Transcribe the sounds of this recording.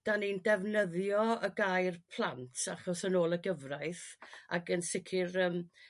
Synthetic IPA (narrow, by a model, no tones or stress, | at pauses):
d̥anindɛvnəðjɔəɡajrpʰl̥ˠantʰaχɔsənoːlˠəɡəvraɨθa̰ɡənsɪkʰɪrəːm